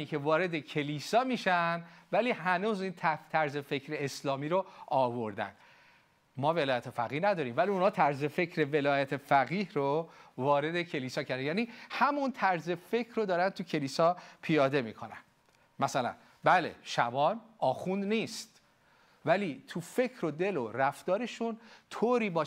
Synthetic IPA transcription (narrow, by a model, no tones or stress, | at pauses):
iːkʰe̞vɒːɾe̞d̪ecʰe̞liːsɒːmiːʃænvæliːhænuːziːnt̪ʰæt̪ʰæɾze̞fe̞cʰɾe̞ːslɒːmiːɾoɒːvo̞ɾd̪æ̰nd̥̪ | mɒːve̞lɒːjæt̪ʰe̞fæ̰ɣiːhnæd̪ɒːɾiːmvæliunhɒːt̪ʰæɾze̞fe̞cʰɾe̞ve̞lɒːjæt̪ʰe̞fæɣiːhɾovɒːɾe̞d̪e̞cʰe̞liːsɒːcʰæɾd̪enjæːnihæmunt̪ʰæɾze̞fe̞cʰɾod̪ɒːɾænt̪ʰucʰe̞liːsɒːpʰijɒːd̪e̞miːkʰo̞næ̰n | mæsælæ̰n | bæle̞̰ʃæ̰bɒːnɒːxund̪niːst̪ | væliːt̪ʰufe̞cʰɾod̪e̞loɾæft̪ɒːɾe̞ʃunt̪ʰoːɾiːbɒː